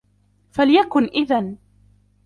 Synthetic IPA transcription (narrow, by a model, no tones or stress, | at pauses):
faljakʊnʔɪðan